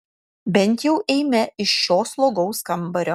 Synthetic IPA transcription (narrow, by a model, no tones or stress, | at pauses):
bʲɛnʲˑt̪jɛʊʔɛɪmʲɛɪʃʃoːslˠoːɡɐʊskɐmbɐɾʲoː